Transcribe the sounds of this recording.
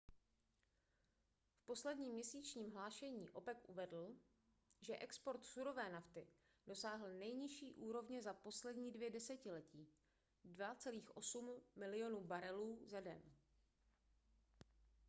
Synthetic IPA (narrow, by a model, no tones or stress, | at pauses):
fpo̞slɛdɲiːmɲɛsiːt͡ʃɲiːmɦlaːʃɛɲiːʔo̞pɛkʔuvɛdl̩ | ʒɛʔɛkspo̞ɾt̪suɾo̞vɛːnaft̪ɪ | d̥o̞saːɦl̩nɛjɲɪʃiːʔuːɾo̞vɲɛzapo̞slɛdɲiːdvjɛdɛsɛcɪlɛciː | dvat͡sɛliːxʔo̞sumːɪlɪjo̞nuːbaɾɛluːzɛdɛ̰n